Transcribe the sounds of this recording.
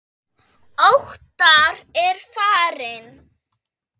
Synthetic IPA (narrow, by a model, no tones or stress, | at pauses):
owht̪aɾɛɾ̥faːɾɪn